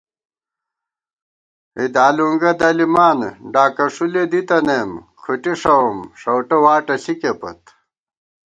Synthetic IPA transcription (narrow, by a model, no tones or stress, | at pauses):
id̪aːluŋɡɐd̪ɐlimaːnɖaːkɐʂuled̪it̪ɐnemkʰuʈiʂɐmʂɐwʈɐwaːʈɐɬikepɐ̰t̪